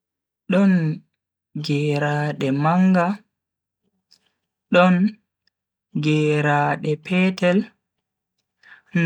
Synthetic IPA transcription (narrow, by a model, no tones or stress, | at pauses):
ɗɔn | ɡɛːɾaːɗɛmaŋɡa | ɗɔn | ɡɛːɾaːɗɛpʰɛːtɛl | n